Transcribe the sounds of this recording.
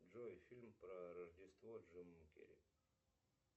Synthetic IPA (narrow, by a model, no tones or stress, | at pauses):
ʐojfʲilʲmpɾɐɾɐʐdʲɪst̪voʐɨmːkʲḛɾʲi